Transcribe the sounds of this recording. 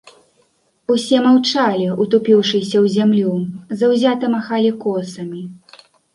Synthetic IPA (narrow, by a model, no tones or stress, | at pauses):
usʲɛmawt͡ʂalʲiut̪upʲiwʂɨsʲɐwzʲamlʲuzɐwzʲat̪ɨmaxalʲikɔsɐmʲi